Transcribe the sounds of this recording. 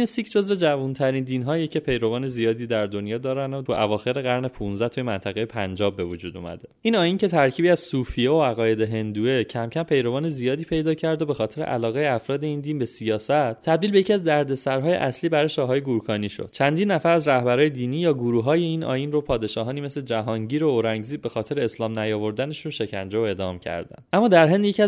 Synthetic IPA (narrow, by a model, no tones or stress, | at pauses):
nesicʰd͡ʒo̞zve̞d͡ʒævunt̪ʰæɾind̪iːnɦɒːjecʰe̞pʰe̞jɾo̞vɒːne̞zijɒːd̪iːd̪æɾd̪o̞njɒːd̪ɒːɾænot̪ʰuʔævɒːxe̞ɾe̞ɣæɾne̞pʰunzæt̪ʰujemænt̪ʰæɣejepʰænd͡ʒɒːbe̞vod͡ʒuːd̪ṵmæ̰d̪e̞ʔiːnɒːjiːnce̞t̪ʰæɾcʰiːbiːæz̥suːfijeoæɣɒːje̞d̪eɦe̞nd̪ue̞cʰæmcʰæmpʰe̞jɾo̞vɒːnezijɒːd̪iːpʰe̞jd̪ɒːcʰæɾd̪obe̞xɒːt̪ʰe̞ɾe̞̰ʔæ̰lɒːɣejeæfɾɒːd̪e̞iːnd̪iːnbe̞sijɒːsæt̪t̪ʰːæb̚d̪ilbejecʰiæzd̪æɾd̪e̞sæɾɦɒːje̞̰ʔæsliːbæɾɒːjeʃɒːɦɒːje̞ɡuɾukʰɒːniːʃo̰d̪̥t͡ʃʰænd̪inːæfæɾæzɾæhbæɾɒːjed̪iːniːjɒːɡuɾuːɦɒːje̞iːnʔɒ̰ːjiːnropʰɒːd̪e̞ʃɒːɦɒːniːme̞sled͡ʒæɦɒːŋɟiːɾo̞oɾæŋɟziːd̪̚be̞xɒːt̪ʰe̞ɾeːslɒːmnæjɒːvo̞ɾd̪æne̞ʃunʃe̞cʰænd͡ʒeoe̞d̪ɒːmcʰæ̰ɾd̪æ̰nʔæmːɒːd̪æɾɦe̞nd̪jecʰiæ